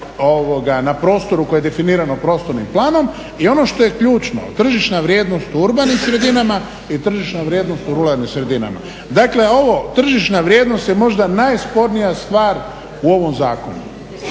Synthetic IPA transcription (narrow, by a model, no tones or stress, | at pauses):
oʋoɡanapɾo̞ːst̪o̞ɾukoejed̪e̞finiːɾanopɾo̞ːst̪oɾnimplˠaːno̞m | io̞no̞ʃt̪o̞je̞kʎuːt͡ʃno̞̰t̪r̩ʒiʃnaʋɾje̞ːd̪no̞st̪uuɾbanimsɾe̞d̪inama | it̪r̩ʒiʃnaʋɾje̞d̪no̞st̪uɾulaɾnimsɾe̞d̪ina̰ma̰ | d̪akle̞o̞ʋo̞t̪r̩ʒiʃnaʋɾje̞ːd̪no̞st̪jemo̞ʒd̪anajspo̞ɾnijast̪ʋaːɾ | uo̞ʋo̞mzaːko̞nṵ